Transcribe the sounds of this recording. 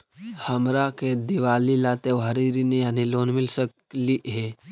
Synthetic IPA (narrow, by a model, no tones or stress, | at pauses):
həmɾaked̪iʋalilat̪eʋɦəɾiɾinejaniloːnmilsək | liɦe